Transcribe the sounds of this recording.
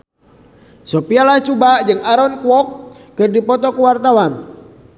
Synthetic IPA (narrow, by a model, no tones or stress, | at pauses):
sopialaht͡ʃubaʔd͡ʒɨŋaɾɔnkuwɔkː | ɨrdipɔt̪ɔkəwart̪awan